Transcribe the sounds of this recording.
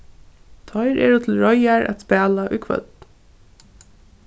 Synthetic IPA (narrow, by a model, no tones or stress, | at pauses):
t̪ʰɔɪɾɛɹut̪ʰɪl̩ɹɔjaɹʔa̰t̪spæːlaʔʊ̰jkʰvœ̰t̪̚